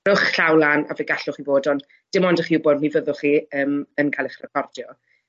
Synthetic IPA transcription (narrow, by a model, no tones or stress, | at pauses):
rʊχɬawlana̰vɛɡaɬʊχivoːdɔn | d̥ɪmɔndəχiubɔdnivəðʊχiəːmənkʰajlˠəχrɛkʰɔrdjɔ